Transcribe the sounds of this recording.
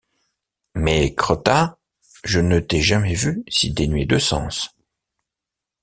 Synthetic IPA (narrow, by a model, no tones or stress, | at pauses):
mɛkχɔt̪a | ʒənət̪ɛʒamɛvysid̪enɥed̪əsɑ̰̃s